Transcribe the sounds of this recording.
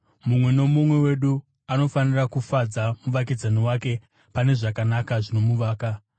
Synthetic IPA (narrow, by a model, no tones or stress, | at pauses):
mumwe̞no̞mumwe̞we̞ɗu | ano̞fanirakufad͡zamuʋak̬id͡zaniwake̞ | pane̞ʐakanakaʐino̞muʋaːka